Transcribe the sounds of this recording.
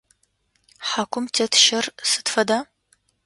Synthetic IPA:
ħakʷʰʼʊmtʰeːtʰʃɐrsɨ̥tfɐdaː

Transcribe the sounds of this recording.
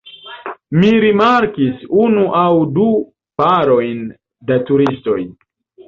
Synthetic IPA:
miɾimaɾkisunuʔawdu | paɾo̞jn | datuɾisto̞j

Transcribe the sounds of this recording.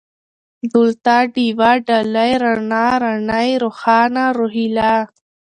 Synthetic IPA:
d̪ult̪aɖiwaɖalajɾaɳaɾaɳajɾoxɑːnaɾoɦila

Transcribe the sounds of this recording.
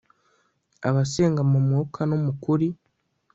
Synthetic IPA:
a̰βase̞ːŋɡamumuokʰanomukuɾi

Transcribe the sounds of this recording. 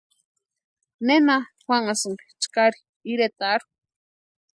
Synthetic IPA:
nenaxʷaŋasɨŋkt͡ʃkaɾi | iɾet̪aɾu

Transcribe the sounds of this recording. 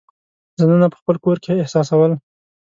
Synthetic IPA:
zananapə̥xpəlkoɾkeːhsɑsawəl

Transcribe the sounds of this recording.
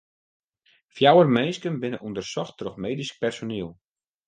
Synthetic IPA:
fjawərmɛnskənbɪnəʔundərsɔxtroxmeːdisk̚pɛrsoniəlˠ

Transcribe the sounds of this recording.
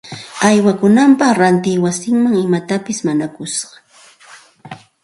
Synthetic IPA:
ajwakʊnampɑχɾant̪ɪjwasɪŋmaŋɪmat̪apɪsmanakʊsɢɑ̥

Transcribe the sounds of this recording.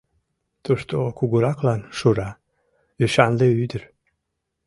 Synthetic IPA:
t̪uʃt̪okuɡuɾɑklɑnʃuɾɑ | lyʃɑnleyd̪əɾ

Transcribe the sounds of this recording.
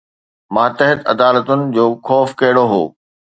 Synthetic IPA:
mãːt̪ɐɦɪt̪ɐd̪aːlət̪ʊnɪ̆d͡ʑoːxɔːfkɐɦɪɽoɦo̰ː

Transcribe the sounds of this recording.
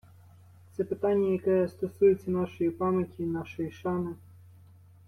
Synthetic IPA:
t̪sɛpɪt̪ɑnʲːɐjɐkɛst̪ɔsujet͡sʲːɐnɑʃɔjipɑmʲjɐtʲinɑʃɔjiʃɑmɪ

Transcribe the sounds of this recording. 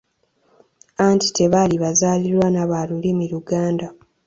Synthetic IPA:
anti̥te̞βaliβazaːliɾwanaβalulimiɾuɡaːnda

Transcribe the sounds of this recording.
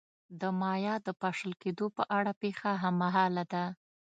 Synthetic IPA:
d̪əmɑjɑd̪əpaʂəlked̪opəʔaɽapexaɦamːaɦɑlad̪a

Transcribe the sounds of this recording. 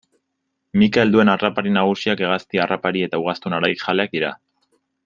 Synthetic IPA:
mikaeld̪ue̞narapaɾinaɣ̞usiake̞ɣ̞ast̪iarapaɾie̞t̪auɣ̞ast̪unaɾaixale̞ak̚d̪iɾa

